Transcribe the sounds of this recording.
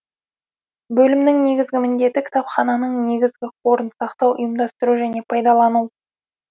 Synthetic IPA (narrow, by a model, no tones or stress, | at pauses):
bɵlɪmnɪŋne̞ɡʲɪzɡʲɪmɪnd̪e̞t̪ːɪkʲʰɪ̥t̪ɑpχɑnɑnəɴne̞ɡʲɪzɡʲɪqʰo̞ɾənsɑqt̪ɑwʔʊ̰jəmd̪ɑst̪əɾuʒæne̞pʰɑjd̪ɑlˠɑnu